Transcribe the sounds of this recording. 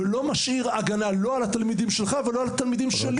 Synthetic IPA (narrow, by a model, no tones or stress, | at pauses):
elo̞maʃiʁaɡanalo̞alat̪almid̪imʃelχavelo̞alat̪almid̪imʃeli